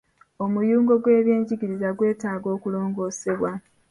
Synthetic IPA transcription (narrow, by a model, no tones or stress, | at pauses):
o̞mujuːŋɡo̞ɡwe̞ːβje̞ːɲɟiɟiɾizaɡwe̞ːtaːɡo̞ːkulo̞ːŋɡo̞ːse̞βwa